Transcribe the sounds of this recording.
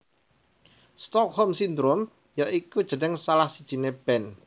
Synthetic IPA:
st̪ɔk̚hɔmsind̪ɾom | jaʔikud̥ʒ̥ə̤nɛŋsalahsid̥ʒ̥i̤neb̥ɛn

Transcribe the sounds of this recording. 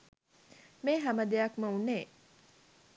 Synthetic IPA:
meːɦæməd̪ejɐkməunːeː

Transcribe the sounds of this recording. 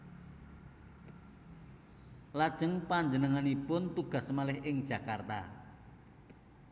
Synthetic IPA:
lad̥ʒ̥ə̤ŋpaɲd͡ʒənəŋanipʊnt̪uɡ̥a̤smalɪhʔɪŋd̥ʒ̥ä̤kart̪a̰

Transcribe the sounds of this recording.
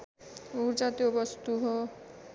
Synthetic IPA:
uɾt͡ʃat̪obʌst̪uɦo

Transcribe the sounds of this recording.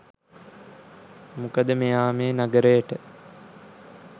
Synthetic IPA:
mukəd̪əmejaːmeːnaɡəɾəjəʈə

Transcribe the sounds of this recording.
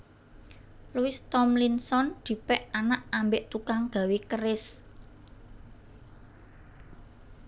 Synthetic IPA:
luɪst̪ɔmlinsɔnd̪̥i̤pɛʔanaʔambɪʔt̪ukaŋɡ̥a̤wekəɾɪs

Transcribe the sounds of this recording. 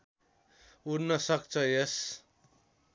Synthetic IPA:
uɾnʌsʌk̚t͡sʰʌjes

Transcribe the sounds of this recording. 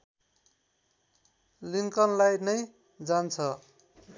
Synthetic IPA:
liŋkʌnlajnʌj | d͡zant͡sʰʌ

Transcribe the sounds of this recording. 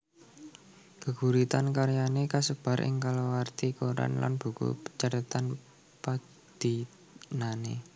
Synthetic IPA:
ɡ̥ə̤ɡ̥ṳɾit̪ankaɾjanekasəb̥a̤ɾʔɪ̰ŋkalowart̪ikoɾa̰nla̰nb̥ṳko̰pə̥t͡ʃaɾət̪an | pa | d̪̥i | nane

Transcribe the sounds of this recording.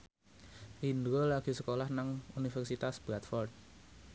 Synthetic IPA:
ind̪ɾolaɡ̥i̤səkolahnaŋunifɛrsit̪asb̥ɾat̪fɔrt̪̚

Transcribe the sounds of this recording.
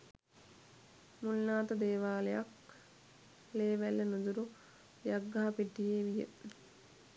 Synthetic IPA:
mulnaːt̪əd̪eːʋaːlejak | leːʋælːənud̪uɾu | jaɡːaɦapiʈːijeːʋijə̰

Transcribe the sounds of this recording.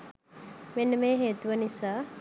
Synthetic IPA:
menːəmeːɦeːt̪uʋənisaː

